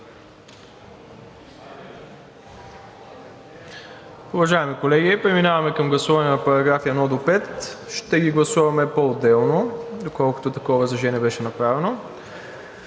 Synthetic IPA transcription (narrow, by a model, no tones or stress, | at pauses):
ʊvɐʒaɛmikolɛɡʲipɾɛminavɐmɛkɐmɡlˠɐsuvɐnɛnɐpɐɾɐɡɾafijɐnɔd̪opɛt̪ʃt̪ɛɡʲiɡlˠɐsuvɐmɛpood̪ːɛlˠnod̪okɔlˠkʊ̥t̪ot̪ɐkɔvɐzɐʒɛnɛbɛʃɛnɐpɾavɛno